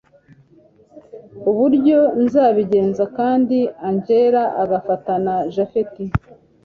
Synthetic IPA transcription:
uβuɾɟo̞nzaːβiɟe̞ːnzakaːndiaɲɟe̞ːɾaʔaɡafatanaʒafeti

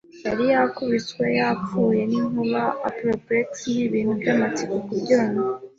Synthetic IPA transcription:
jaɾijakuβit͡swe̞jap͡ffuːje̞niŋuβaapɾopɾietiniβinuɡamatikokuɾɟoŋo

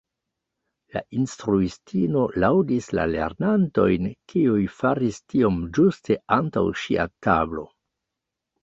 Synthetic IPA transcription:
la̰ʔinstɾuistʰino̞lawdisla̰le̞̰ɾnanto̞̰jnkiujfaɾistio̞md͡ʒustʰe̞anta̰wʃia̰tablo̞̰

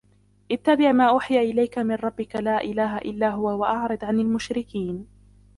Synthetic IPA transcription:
ʔɪt̪ːabɪʕmaːʔʊħjaːʔɪlajkamɪnɾˤɑbːɪkalaːʔɪlaːɦaʔɪlːaːɦʊwawaʔɑʕɾɨd̪ʕanalmʊʃɾɪkiːn

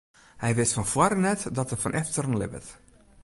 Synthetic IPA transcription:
hɛjʋɪstfɔnfwaɾənɛtdɔtəfɔnʔɛftərənlɪ̰bə̰t

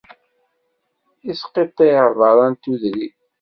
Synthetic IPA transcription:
isqet̪ˤːeəvˤɑɾˤɑnt̪uðɾi

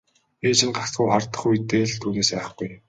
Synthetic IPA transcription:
eːt͡ɕʰɪ̆nɢat͡sɢujχart̪ə̆χujt̪eːɮt̪ʰuːneːspæ̆ːχɡuj

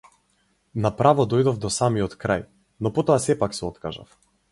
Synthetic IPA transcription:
napɾavɔd̪ɔjd̪ɔvd̪ɔsamiɔt̪kɾaj | nɔpɔt̪ɔasɛpaksɛɔt̪kaʒa̰f

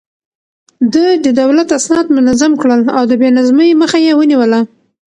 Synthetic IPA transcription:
d̪əjd̪əd̪awlat̪asnɑd̪mʊnazamkɽəlawd̪əbenazməjməxajewəniwəla

